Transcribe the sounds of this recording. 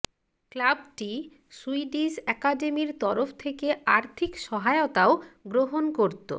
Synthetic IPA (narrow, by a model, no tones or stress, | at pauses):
klabʈi | suiɖisɛkaɖemiɾt̪ɔɾofʰt̪ʰekeaɾt̪ʰikʃɔɦaeot̪aoɡɾoɦonkoɾt̪o̰